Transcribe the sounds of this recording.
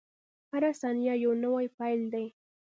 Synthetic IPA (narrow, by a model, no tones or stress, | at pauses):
haɾasanjajawnawajpajld̪aj